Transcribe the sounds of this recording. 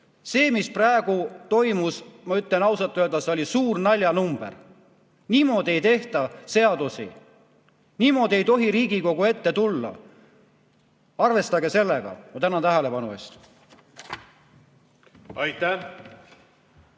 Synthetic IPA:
se̞ːmispræeɡ̥ut̪o̞jmusmɑyt̪ˑlenɑwsɑt̪ːˑøld̪̥ɑseo̞lʲisuːrnɑlʲjɑnumb̥e̞̰r | niːmo̞ːd̪ie̞jt̪e̞ht̪ɑse̞ɑd̪̥usḭ | niːmo̞ːd̪̥ʲie̞jt̪o̞ɦiɾiːɡiko̞ɡ̥ue̞t̪ːe̞t̪ulːɑ̰ | ɑrve̞st̪ɑɡe̞se̞lːeɡ̥ɑ̰mɑt̪ænɑt̪æɦæle̞pɑnṵest̪ | ɑjt̪ːˑæ

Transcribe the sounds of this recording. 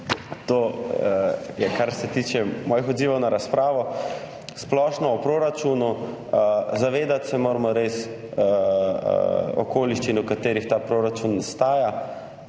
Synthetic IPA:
t̪oː | jɛkaɾsɛt̪iːt͡ʃɛmɔːjixɔd̪ziːʋɔwnaɾaspɾaːʋɔ | splɔʃnɔɔpɾoːɾat͡ʃunu | zaʋeːd̪at̪sɛmoːɾmɔɾes | ɔ̰koːliʃt͡ʃinukat̪eːɾixt̪aːpɾoːɾat͡ʃunst̪aːja

